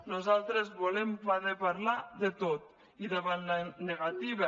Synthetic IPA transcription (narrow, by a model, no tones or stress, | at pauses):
nuzalˠt̪ɾezβolempaðepaɾlaðet̪ot̪ | iðaβanlaneɣat̪iβe